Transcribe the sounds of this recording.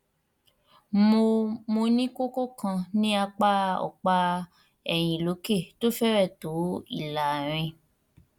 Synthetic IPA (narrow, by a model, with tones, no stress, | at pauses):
mo˧mo˧nĩ˦ko˦ko˦kã˧nĩ˦a˧k͡pa˦ɔ̰˨k͡pa˧ | ɛ˨j̃ĩ˨lo˨˦ke˦˨to˦fɛ˦ɾɛ˦˨to˨˦ḭ˦˨la˨ɾ̃ĩ˧